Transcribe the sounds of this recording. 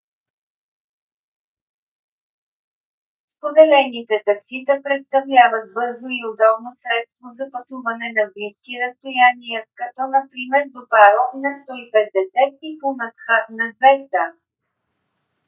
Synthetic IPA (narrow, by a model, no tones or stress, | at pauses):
spod̪ɛlɛnit̪ɛt̪ɐksit̪əpɾɛt̪st̪ɐvlʲavət̪̚bɤɾzoiod̪ɔbnosɾɛt̪st̪vozɐpɐt̪uvɐnɛnɐbliskiɾəst̪ojanijəkɐt̪ɔnɐpɾimɛɾd̪opaɾonɐst̪ɔipɛd̪ːɛsɛt̪̚pip̪onɐt̪xat̪nɐd̪vɛst̪ə